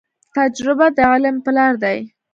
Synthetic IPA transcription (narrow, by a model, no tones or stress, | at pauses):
t̪ad͡ʒɾɪbad̪əalampəlɑɾd̪aj